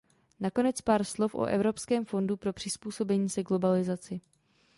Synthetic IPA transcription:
nako̞nɛt͡spaːɾslo̞fʔo̰ʔɛvɾo̞pskɛːmfo̞ndupɾo̞pr̝̥ɪspuːso̞bɛɲiːsɛɡlo̞balɪzat͡sɪ

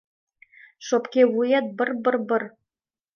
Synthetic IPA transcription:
ʃopkʲewujɑt̪̚bə̆rbɤ̆rbɤ̆r

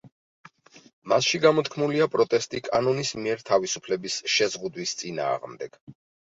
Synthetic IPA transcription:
masʃiɡamɔt̪ʰkʰmuliapʼɾɔt̪ʼɛst̪ʼikʼanɔnismiɛɾt̪ʰavisupʰlɛbisʃɛzʁud̪wist̪sʼina̰ːʁmd̪ɛɡ̥

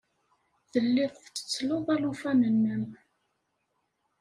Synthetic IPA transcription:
ðəlːiðˤθət͡sːə̥t͡sːloðˤælufænənːəm

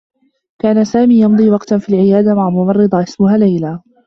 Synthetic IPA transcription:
kaːnasaːmiːjɑmd̪ˤiːwɑqt̪fiːlʕɪjaːd̪amaʕamʊmɑrˤːɨd̪ˤɑʔɪsmʊɦaːlajlaː

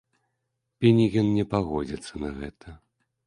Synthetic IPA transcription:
pʲinʲiɣʲɛnnʲɛpaɣɔd͡zʲit̪sːɐnɐɣɛt̪ɐ

